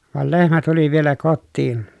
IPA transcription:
ʋɑˑel lehmæ tuli ʋielæ kotːiːn

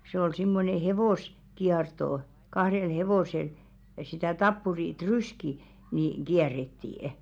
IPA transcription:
se ol simːone heʋoˑs kiɑrtoˑ kɑhrel heʋoˑsel jɑ sitæ tɑpːuri tryski niŋ̆ ɡ̊iærːetːiːə̆

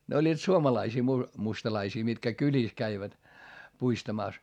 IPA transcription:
ne olʲːiːt suomɑlɑisiː mu mustɑlɑisiː mitkæ kylʲiˑs kæiʋæt puistɑmɑˑs

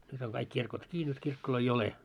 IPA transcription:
nyt oŋ kɑik kirkot ki nyt kirkːoloi ole

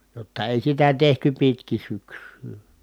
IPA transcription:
jotːɑ eˑi sitæ tehty pitkin̞ syksˑyː

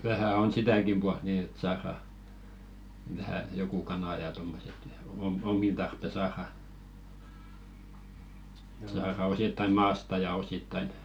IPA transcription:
ʋæhæˑ on sitæˑkim b̥uɑlt niː et sɑːrɑ ʋæhæ joku kɑnɑˑ jɑ tomːoset jɑ om omːin tɑrpːe sɑːrɑ sɑːrɑ ositːɑĭ mɑːstɑ jɑ ositːɑin

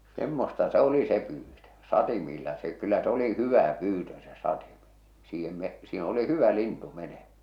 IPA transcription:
semːostɑ se oli se pyːtø sɑtimiːlːɑ se kylːæ s oli hyʋæ pyːtø se sɑtime̥ siːhem me siːn oli hyʋæ lintu menem̥æ̥

